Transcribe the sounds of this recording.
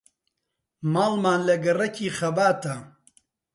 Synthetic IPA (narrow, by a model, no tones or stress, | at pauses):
maːlmaːnlɐɡɐrɐcʰiːχɐbaːt̪ɐ